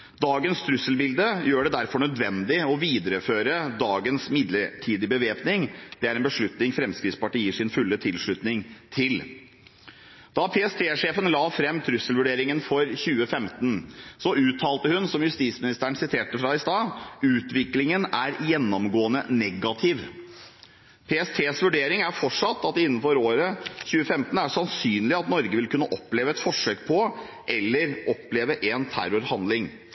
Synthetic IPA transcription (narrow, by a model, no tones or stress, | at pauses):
d̪ɑːɡənst̪ʰɾʉsəlbɪld̪əjøːɖɛd̪æɾfɔɳœd̪ʋɛnd̪ɪɔʋiːd̪əɾəføːɾəd̪ɑːɡənsmɪd̪ləʈʰiːd̪ɪbəʋeːpnɪŋd̪̥ɛæɾɛnbəʂɭʉt̪nɪŋfɾɛmskɾɪtspɑʈiːəʂɪnfʉlːət̪ʰɪlʂɭʉt̪nɪŋt̪ʰɪl | d̪̥ɑpʰɛːɛst̪ʰeːʂeːfənlɑːfɾɛmːt̪ʰɾʉsəlʋʉɖeːɾɪŋənfɔɾçʉːəfɛmt̪ən̩sɔʔʉːt̪ʰːɑːlt̪əhʉnsɔmjʉst̪iːsmɪnɪst̪æːəɳ̩sɪt̪ʰeːʈəfɾɑːɪst̪ɑːʉːt̪ʋɪklɪŋənæɾjɛnːɔmɡoːənənɛɡɑt̪ʰɪʋ | pʰeːɛst̪ʰeːsʋʉɖeːɾɪŋæfɔʈʂɑt̪ːɑt̪ɪnːnfɔɾoːɾəçʉːəfɛmt̪ən̩æsɑnsyːnlɪɑt̪nɔɾɡəʋɪlkʉnːəʔɔpːleːʋəɛt̪fɔʂøːk̚pʰɔ | ʔɛlːəɾɔpleːʋəʔɛnt̪ʰæ̰ɾʊɾhɑnd̪lɪŋ